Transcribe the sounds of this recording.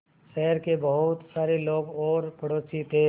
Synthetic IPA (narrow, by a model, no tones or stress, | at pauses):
ʃɛɦəɾkebəɦʊt̪saːɾeloːɡɔːɾpəɽoːsit̪ʰe